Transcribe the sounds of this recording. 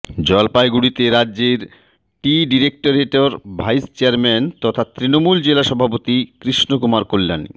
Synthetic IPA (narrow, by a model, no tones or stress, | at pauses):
d͡ʑɔlpajɡuɽit̪eɾadːeɾ | ʈiɖiɾek̚ʈoɾeʈoɾbʱajst͡ɕeaɾmɛnt̪ɔt̪ʰat̪ɾinomuld͡ʑelaʃɔbʱapot̪ikɾiʃnokumaɾkolːa̰nḭ